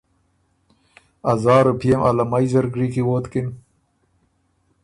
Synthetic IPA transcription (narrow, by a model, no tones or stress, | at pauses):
ɐzɑːɾupʰijemʔɐ̰lɐmajzɐɾɡɾikiwoːt̪kin